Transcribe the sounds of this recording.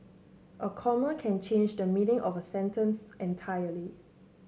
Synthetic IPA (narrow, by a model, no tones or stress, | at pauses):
ʔəkʰɔməkʰɛ̃nt͡ʃʰẽnd͡ʒdəminɪ̃ŋʔɔvəsɛ̃ntə̃nsɛ̃ntʰajəli